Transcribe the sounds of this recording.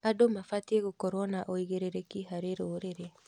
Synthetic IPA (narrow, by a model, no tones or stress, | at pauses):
adomafatieɣokɔɾwɔnaʔoiɣeɾeɾekiɦaɾeɾoːɾeɾe